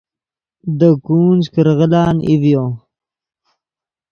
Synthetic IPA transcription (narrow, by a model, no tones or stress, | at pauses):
d̪əkuːnd͡ʒkəɾɣəlɑːnivjoː